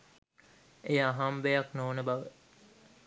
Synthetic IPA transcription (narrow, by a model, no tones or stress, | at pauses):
ejaːɦambejɐknoːnəbɐʋe